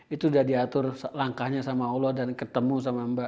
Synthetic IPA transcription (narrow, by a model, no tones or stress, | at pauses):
it̪udahdiat̪ʊrslaŋkahɲasamaolɔhdankət̪əmus̬amamba